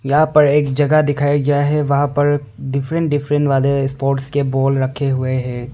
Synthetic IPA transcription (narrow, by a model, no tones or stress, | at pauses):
jɐɦãpɐɾeːkd͡ʒɐɡad̪ɪkʰaːjaɡɐjaɦɛʋɐɦãpɐɾ | ɖɪfʰɾə̃ɳʈ̚ɖɪfʰɾə̃ɳʈʋaːlespoːɾʈskeboːlɾɐkʰeɦʊeɦɛ̃ː